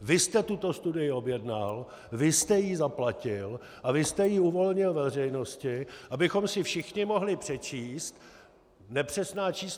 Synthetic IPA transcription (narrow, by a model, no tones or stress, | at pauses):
vɪst̪ɛt̪ut̪o̞st̪udɪjɪo̞bjɛdnal | vɪst̪ɛjizaplacɪl | ʔavɪst̪ɛjiuvo̞lɲɪlvɛr̝ɛjno̞scɪʔabɪxo̞msɪfʃɪxɲɪmo̞ɦlɪpr̝̥ɛt͡ʃiːst̪ | nɛpr̝̥ɛsnaːt͡ʃiːs